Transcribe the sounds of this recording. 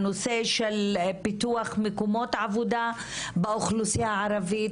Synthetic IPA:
noseʃelpit̪uaχmekomo̞t̪ʕavud̪a | beʔoχlusijaʕaɾavi

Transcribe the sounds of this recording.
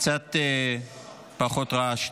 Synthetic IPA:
t͡sat̪ | paχot̪ʁaʃ

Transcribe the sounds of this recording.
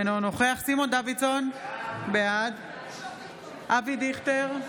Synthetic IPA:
nonoχeaχsimo̞nd̪avisonbead̪ | ʔavid̪iχt̪eʁ

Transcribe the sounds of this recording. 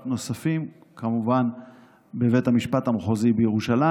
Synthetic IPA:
tno̞safim | kamuvan | beve̞tamiʃpatamχozibejeʁuʃala

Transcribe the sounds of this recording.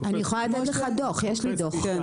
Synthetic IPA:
anijeχolaled̪aleχad̪oχjeʃlid̪oχ

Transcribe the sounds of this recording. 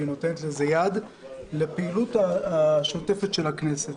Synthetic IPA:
ino̞tenet̪lezejad | lepeilutaaʃote̞fet̪ʃe̞lhakneset

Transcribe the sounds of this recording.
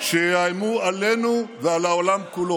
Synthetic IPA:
ʃeajmualenuðalaolamkulo

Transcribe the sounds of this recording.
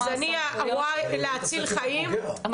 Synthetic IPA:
zaniaʔawajleat͡silχajim

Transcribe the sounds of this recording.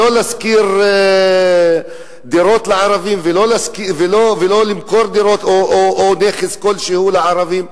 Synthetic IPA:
olaskiɾ | d̪iɾot̪laʕaɾavimvelolaskivelovelolimkoɾd̪iɾot̪oʔoʔoneχeskolʃehulaʕaɾaviːm

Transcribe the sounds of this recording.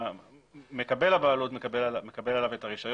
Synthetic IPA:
me̞kabe̞labaːlutmekabelame̞kabe̞lalavet̪aʁiʃaj

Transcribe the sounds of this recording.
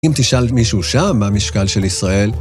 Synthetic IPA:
imt̪iʃalmiʃuuʃamːamiʃkalʃe̞lisʁae̞l

